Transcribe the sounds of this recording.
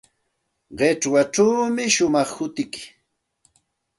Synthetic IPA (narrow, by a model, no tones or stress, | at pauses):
ɢeʈ͡ʂwaʈ͡ʂaːmɪʃʊmɑχhʊt̪ɪkɪ̥